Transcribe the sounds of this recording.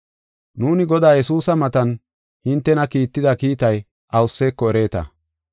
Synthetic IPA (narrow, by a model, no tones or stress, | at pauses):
nuːnɪɡɔd̪aːjɛsuːsɐmɐt̪ɐn | hɪnt̪ːɛnɐkiːt̪ːɪd̪ɐkiːt̪ɐj | ɐwʊsːeːkːɔɛɾe̞ːt̪ɐ̰